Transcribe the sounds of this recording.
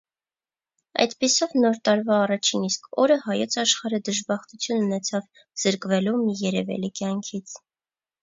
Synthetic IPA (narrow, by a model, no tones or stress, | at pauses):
ɑ̰jt̪pisɔvnɔɾt̪ɑɾvɑːrɑt͡ʃʰiniskʰɔɾəhɑjɔt͡sʰɑʃχɑɾəd̪əʒbɑχt̪ut͡sʰjununɛt͡sʰɑv | z̥əɾkvɛlumijɛɾɛvɛ̰likjɑŋkʰit͡sʰ